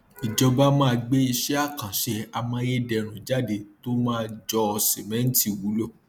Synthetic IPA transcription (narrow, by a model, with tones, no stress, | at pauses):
i˨d͡ʒɔ˧ba˦mã˦˧ɡ͡be˦i˧ʃɛ˦a˦˨kã˨ʃɛ˧a˧mã˧˦je˦dɛ˨ɾ̃ũ˨d͡ʒa˦˨de˧˦to˦mãː˦d͡ʒɔ˧se˨mɛ̃˦n̩˦ti˦˨wu˨˦lo˦˨